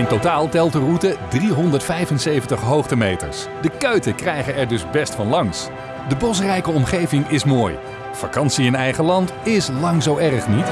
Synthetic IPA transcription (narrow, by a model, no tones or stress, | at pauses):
ɪntotaːlˠtɛlˠtərutədriɦɔndəɹtfɛjvənsejvəntəχɦowχtəmejtə̰ɹs | dəkøɥtəkrɛjχəɛɹdɵzbɛstfɑnlɑŋs | dəbɔs̬rɛjkəɔmχejvɪŋɪsmoːj | fa̰kɑnsiɪnɛjχəlɑntɪslɑŋzowɛrəχnit